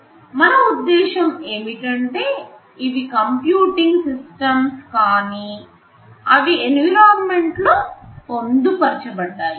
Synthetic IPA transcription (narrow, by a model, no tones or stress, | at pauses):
mɐnɐud̪ːɛːʃɐme̞ːmiʈɐɳʈe̞ː | iʋikɐmpjuːʈiŋɡsisʈɐmskaːniː | ɐʋienɡlaːɾme̞ɳʈloːpond̪upɐɾt͡ʃɐbɐɖːaːji